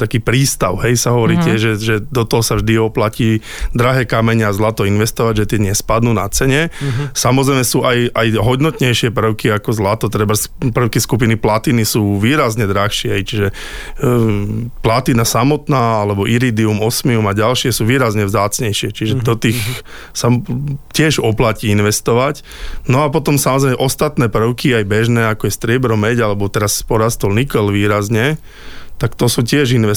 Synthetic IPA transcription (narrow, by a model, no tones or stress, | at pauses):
t̪akiːpɾiːst̪aʊɦɛjsaɦɔʋɔɾiːtɪɛʒʒɛʒɛd̪ɔt̪ɔɦɔsavʒd̪iɔplaciː | d̪ɾaɦɛːkamɛɲɪazlat̪ɔinʋɛst̪ɔʋaɟʒɛt̪ɪɛɲɪɛspad̪nuːna̰t͡sɛɲɛsamɔzɾɛjmɛsuːʔajajɦɔd̪nɔt̪ɲɛjʃɪɛpr̩ʊkiakɔzlat̪ɔt̪ɾɛbaspr̩ʊkiskup̬iniplat̪iːnisuːʋiːɾazɲɛd̪ɾaxʃɪɛɦɛjt͡ʃiʒɛ | plat̪iːnasamɔt̪naːalɛbɔʔiɾid̪iumɔsmiumaɟalʃɪɛsuːʋiːɾazɲɛʋzaːt͡sɲɛjʃɪɛt͡ʃiʒɛd̪ɔt̪iːx | sacɪɛʒɔplaciːinʋɛst̪ɔʋac | nɔapɔt̪ɔmsamɔzɾɛɪmɛʔɔst̪at̪nɛːpr̩ʊkiajbɛʒnɛːakɔjɛst̪ɾɪɛbɾɔmɛɟalɛbɔt̪ɛɾaspɔɾast̪ɔlnikɛlʋiːɾazɲɛ | t̪akt̪ɔsuːcɪɛʒinʋɛ